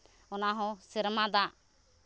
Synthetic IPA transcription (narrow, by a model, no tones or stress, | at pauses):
ɔnaɦɔ̃siɾmad̪aʔ